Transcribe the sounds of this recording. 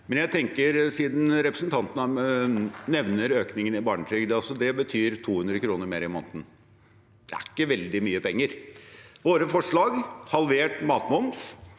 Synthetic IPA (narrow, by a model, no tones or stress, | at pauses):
mɛnjæɪt̪ʰɛŋkəɾsiːd̪n̩ɾɛpɾəsnt̪ʰɑnt̪ən | nɛʋnəɾøːknɪŋənɪbɑːɳəʈ̪ʰɾyːɡd̪ɛɑlsɔd̪ɛbət̪ʰyːɾt̪ʰuːhʉnd̪ɾəkɾuːnəɾmeːɾɪmo̰ːnt̪n̩ | d̪̥ɛæ̰ɪkːəʋɛld̪ɪmyːəpɛŋːəɾʋoːɾəfɔʂɭɑːɡhɑlʋeːʈmɑːt̪mʊnd̪f